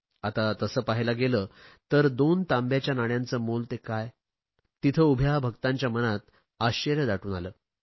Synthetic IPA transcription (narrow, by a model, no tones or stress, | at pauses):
at̪at̪əsəːpaɦlaɡeləːt̪əɾd̪ont̪ãmbjat͡ɕjanaɽjant͡səːmolt̪ekaj | t̪it̪ʰəubʱjabʱəɡt̪aɲt͡ɕjamənat̪̚ | aɕəɾjəd̪aʈʰuːnaləː